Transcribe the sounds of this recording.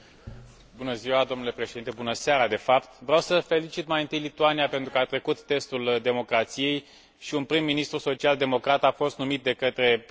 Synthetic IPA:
bunəziwad̪o̞mnule̞pɾeʃed̪int̪e̞bunəsaɾad̪e̞fapt̪vɾeawsəfe̞lit͡ʃit̪majɨnt̪ɨjlit̪uanijape̞nt̪ɾukəat̪ɾe̞kut̪ːe̞st̪uld̪e̞mo̞kɾat̪sije̞j | ʃiunpɾimːinist̪ɾuso̞t͡ʃiald̪e̞mo̞kɾat̪afo̞st̪numit̪̚d̪e̞kət̪ɾe̞

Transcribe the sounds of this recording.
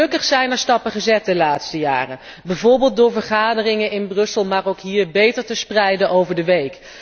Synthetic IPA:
ɵkəχsɛjnəɹstɑpəχəzɛt̚dəlaːtstəja̰ːrə | bɛjvʊːɹbɪːlˠt̚dʊːɹvəɹχaːdərɪŋənɪnbrɵsəlˠmaːrowkɦiːɹbejtəɹtəsprɛjdənʔowvəɹdəʋejk

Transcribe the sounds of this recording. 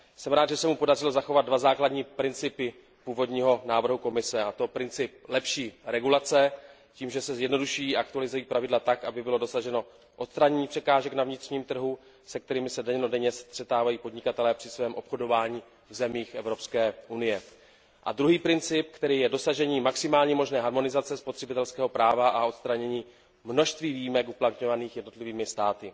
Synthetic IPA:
sɛmɾaːd̪ʒɛsɛmupo̞darɪlo̞zaxo̞vad̪̚dvazaːkladɲiːpɾɪnt͡sɪpɪ | puːvo̞dɲiːɦo̞naːvr̩ɦuko̞mɪsɛat̪o̞pɾɪnt͡sɪp̚lɛpʃiːɾɛɡulat͡sɛ | ciːmʒɛsɛzjɛdno̞duʃujiːaakt̪ualɪzujiːpɾavɪdlat̪akʔabɪbɪlo̞do̞saʒɛno̞ | ʔo̞t̪st̪ɾaɲɛɲiːpr̥ɛkaːʒɛknavɲɪt̪r̥ɲiːmt̪r̩ɦu | sɛk̚t̪ɛɾiːmɪsɛdɛɲnodɛɲɛst̪r̥ɛt̪aːvajiːpo̞dɲɪkat̪ɛlɛːpr̝̥ɪsvɛːmʔo̞pxo̞do̞vaːɲiː | vzɛmiːxʔɛvɾo̞pskɛːʔunɪjɛ | ʔa̰d̪ɾuɦiːpɾɪnt͡sɪp̚kt̪ɛɾiːjɛdo̞saʒɛɲiːmaksɪmaːlɲiːmo̞ʒnɛːɦaɾmo̞nɪzatt͡sɛspo̞t̪r̥ɛbɪt̪ɛlskɛːɦo̞pɾaːvaʔao̞t̪st̪ɾaɲɛɲiː | mno̞ʃst̪viːviːjːmɛkuplat̪ɲo̞vaniːxjɛdno̞t̪lɪviːmɪst̪aːt̪ɪ

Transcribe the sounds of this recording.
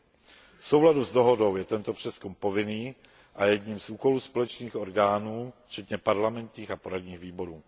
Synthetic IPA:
fsowladuzdo̞ɦodo̞wjɛt̪ɛnt̪opr̝̥ɛskumpo̞vɪniː | ʔajɛdɲiːmzuːko̞luːspo̞lɛt͡ʃniːxo̞ɾɡaːnuːft͡ʃɛt̪ɲɛpaɾlamɛnt̪ɲiːxapo̞ɾadɲiːɣviːbo̞ɾuː

